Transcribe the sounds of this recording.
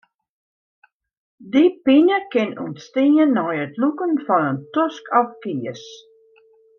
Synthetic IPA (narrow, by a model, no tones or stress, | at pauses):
dipinəkɪnṵnstɪːənːɔjətlukənfɔnəntɔskʰɔfkiəs